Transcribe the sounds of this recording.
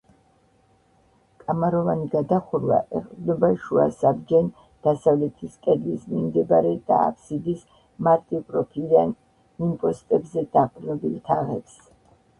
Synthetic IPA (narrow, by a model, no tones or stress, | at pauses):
kʼamaɾɔvaniɡad̪aχuɾva̰ʔɛχʼnɔbaʃuasabd͡ʒɛn | d̪̥asavlɛt̪ʰiskʼɛd̪lismimd̪ɛbaɾɛd̪̥a̰ːpʰsid̪is | maɾt̪ʼipʼɾɔpʰid̪an | impʼɔst̪ʼɛbzɛd̪̥aqʼɾnɔbilt̪ʰaʁɛps